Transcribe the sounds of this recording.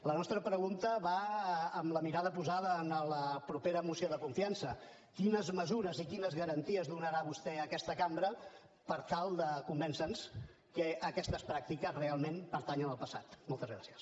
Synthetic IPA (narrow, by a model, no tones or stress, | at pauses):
lənɔst̪ɾəpɾəɣunt̪əβaəmləmiɾaðəpuzaðəːnələpɾupeɾəmusioðəkuɱfiansə | kinəzməzuɾəzikinəzɣəɾənt̪iəzðunəɾaβust̪ɛəkɛst̪əkambɾə | pəɾt̪alˠd̪əkumbɛnsəns | kəʔəkɛst̪əspɾak̚t̪ikəzrealˠmenpəɾt̪aɲənəlˠpəsa̰t̪mɔlˠt̪əzɣɾa̰siəs